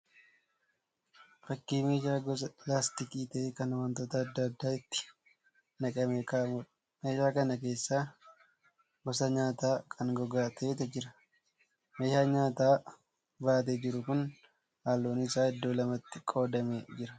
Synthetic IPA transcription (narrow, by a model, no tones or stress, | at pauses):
ɾɐkːiːme̞ːʃaːɡɔsɐlaːst̪ɪkiːt̪ɐkɐnɐwɐnt̪oːt̪ɐɐd̪ːɐːd̪ːaːɪt̪ːɪ̥ | nɐkʼɐmeːkaːmʊᶑ | me̞ːʃaːkɐnɐke̞ːsːaː | ɡɔsɐɲaːt̪aːkʰɐnɡɔɡaːt̪ʰeːt̪ɛd͡ʒɪɾɐ | meːʃaːɲaːt̪aː | baːt̪̬ed͡ʒɪɾʊkʊn | haːlːoːnɪsaːɪd̪ːo̞ːlɐmɐt̪ːɪkʼo̞ːd̪ɐmed͡ʒɪɾɐ